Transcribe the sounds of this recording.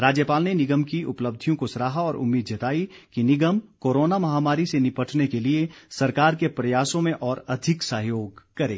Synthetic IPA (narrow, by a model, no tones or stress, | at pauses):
ɾaːd͡ʒjəpaːlnenɪɡəmkiʔʊpləb̚d̪ʱijõkosɾaːɦaɔːɾʔʊ̰mːiːd̪d͡ʒɐt̪aːikinɪɡəmkoːɾoːnamɐɦaːmaːɾisenɪpəʈʰnekeliesɐɾkaːɾkepɾɐjaːsõmẽʔɔːɾɐd̪ʱɪksɐɦjoːɡkɐɾḛ̃ː